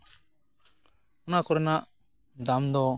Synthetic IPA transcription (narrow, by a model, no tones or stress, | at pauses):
ɔnakɔɾɛnaʔ | d̪amd̪ɔ